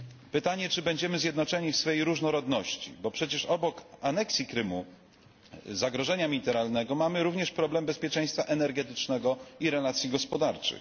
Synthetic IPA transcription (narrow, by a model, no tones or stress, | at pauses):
pɘt̪aɲɛt͡ʂɘbɛɲd͡ʑɛmɘzʲjɛd̪nɔt͡ʂɛɲifsfɛjejɾuʐnɔɾɔd̪nɔɕt͡ɕḭbɔpʂɛt͡ɕɛʂɔbɔkanɛksʲjikɾɘmu | zaɡɾɔʐɛɲamʲiit̪ɛɾalnɛɡɔmamɘɾuvɲɛʂpɾɔblɛmbɛspʲjɛt͡ʂɛ̃j̃st̪faʔɛnɛɾɡɛt̪ɘt͡ʂnɛɡɔiɾɛlat̪sʲjiɡɔspɔd̪aɾt͡ʂɘ̰x